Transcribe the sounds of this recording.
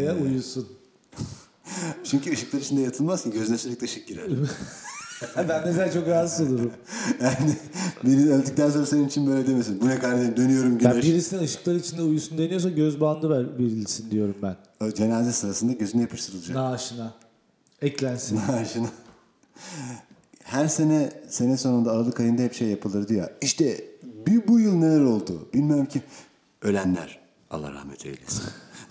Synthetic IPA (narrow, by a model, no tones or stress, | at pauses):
ajaujusun | t͡ʃʰyɲcyɯʃɯklˠaɾit͡ʃʰind̪ɛjat̪ʰɯlˠmazsɯnɟøzlʲɛt͡ʃilʲic̚t̪ɛʃɛk̚ɟiɾɛ | bænd̪ezɛlt͡ʃʰo̞kɾaːzɯʃolˠuɾu | janɪbiɾiølʲd̪yc̚t̪ænso̞nɾasenimit͡ʃʰinbø̞jlʲɛd̪emesinbunɛkaɾd̪emd̪ø̞nyjo̞ɾumɟjabiɾisininɯʃɯ̥klˠaɾɯit͡ʃʰind̪ɛujusund̪e̞nijo̞s̬aɟøzband̪ˠɯvæɾbiɾilʲisind̪ijo̞ɾumbæn | d͡ʒe̞naːzɛsɯnasɯnd̪aɟøzynɛjapʰɯʃt̪ʰɯɾɯlˠɯd͡ʒanaːʃɯna | ɛclʲænsinaʃɯna | hæɾse̞nɛse̞nɛso̞nund̪aːɾalˠɯkʰajɯnd̪aɦɛpʃejːapʰɯlˠɯɾd̪ijo̰iʃt̪ʰɛbibujɯlˠne̞lʲæɾo̞lˠd̪ṵb̥ilʲmiøɾmcʰi | ø̞lʲænlʲæ̰ɾ̥ | a̰lˠːa̰hɾa̰hmɛ̰t̪ʰø̰jlʲɛ̰